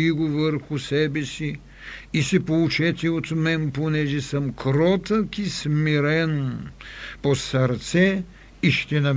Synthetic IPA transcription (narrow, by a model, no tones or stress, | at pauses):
iɡovəɾxʊsɛbɛsi | isɛpout͡ʃɛt̪ʲiot̪mɛnponɛʒɛsəmkɾɔt̪əkismiɾɛn | posɐɾt̪sɛ | iʃt̪ɛnɐ